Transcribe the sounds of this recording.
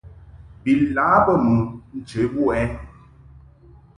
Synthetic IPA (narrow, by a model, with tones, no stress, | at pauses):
bi˨laː˨˦bə˦˨mu˨n̩˨t͡ʃe˨˦bu˦ɛ˨˦